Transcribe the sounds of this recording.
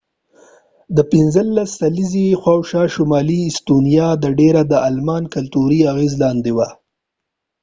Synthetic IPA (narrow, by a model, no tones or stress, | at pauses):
d̪əpɪnzəlːasːalizixwɑwʃɑʃʊmɑliɪst̪unijɑd̪əɖeɾad̪əalmɑnkalt̪uɾiaɣezlɑnd̪ewa